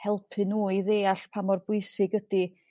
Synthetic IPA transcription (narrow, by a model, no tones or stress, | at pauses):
hɛlˠpʰɨnuːiðeːaɬpʰamɔrbʊɨsɪɡədi